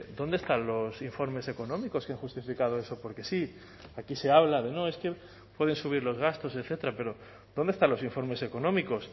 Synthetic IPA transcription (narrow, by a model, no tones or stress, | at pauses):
d̪o̞nd̪e̞st̪anlo̞siɱfo̞ɾme̞se̞ko̞nõ̞miko̞skeaŋxust̪ifikað̞oe̞so̞po̞ɾke̞si | akise̞aβ̞laðe̞no̞e̞ske̞ | pweð̞e̞nsuβ̞iɾlo̞zɣast̪o̞se̞θe̞t̪ɾape̞ɾo̞ | ðond̪est̪anlo̞siɱfo̞ɾme̞se̞ko̞nõ̞miko̞s